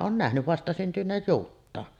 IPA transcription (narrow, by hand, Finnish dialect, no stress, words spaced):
oːn næhny ʋɑstɑsyntyneːj juːtːɑːn